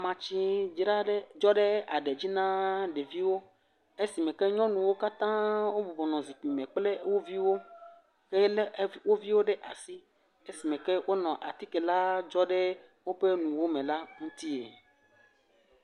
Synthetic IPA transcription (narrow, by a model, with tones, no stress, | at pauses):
a˨mã˨t͡ɕi˦d͡ʒɾa˦e˦d͡ʒɔ˦ɖe˦a˨ɖe˨d͡ʑi˦nã˦ɖe˨vi˦wo˦ | e˦si˨mẽ˨kɛ˦ɲɔ̃˦nũ˨wo˦ka˦t̪ã˦wo˦bɔ˨vɔ˨nɔ̃˨zi˨k͡pi˨mẽ˨k͡ple˦wo˦vi˦wo˦ | ke˦lwo˦vi˦wo˦ɖe˦ʔa˨si˦ | e˦si˨mẽ˨kɛ˦wʔo˦nɔ̃˨ʔa˨t̪i˦ke˨la˦d͡ʒɔ˦ɖe˦ | wo˦be˦nũ˨wo˦mẽ˨la˦ŋũ˦t̪i˦ḛ˨